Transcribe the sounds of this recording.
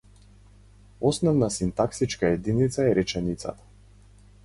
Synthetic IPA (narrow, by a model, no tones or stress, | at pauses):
ɔsnɔvnasint̪aksit͡ʃkaɛd̪init̪saɛɾʔɛt͡ʃɛnit̪sa̰t̪ḁ